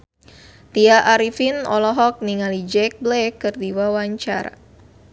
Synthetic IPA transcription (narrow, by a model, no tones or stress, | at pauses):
t̪iaʔaɾifinɔ̰lɔɦɔk̚niŋalid͡ʒɛk̚blɛkːɨrdiwawaɲt͡ʃaɾa̰